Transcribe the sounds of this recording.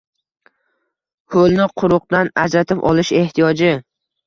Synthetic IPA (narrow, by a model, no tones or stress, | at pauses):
holˠnɪqʰʊɾʊq̚d̪anad͡ʒɾat̪ʰɪpɒ̰lɪʃe̞ht̪ʰijɒd͡ʒɪ